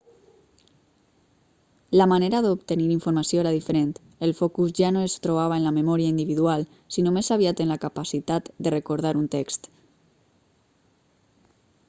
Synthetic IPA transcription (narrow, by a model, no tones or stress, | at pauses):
lamaneɾaðopt̪əniɾiɱfuɾmasjoeɾaðifəɾent̪ | əlfɔkuzʒanoest̪ɾoβ̞aβaenlamemɔɾiaind̪iβiðual | sinomesaβiat̪ənlakapasit̪at̪d̪ərekoɾð̞aɾunt̪ekst̪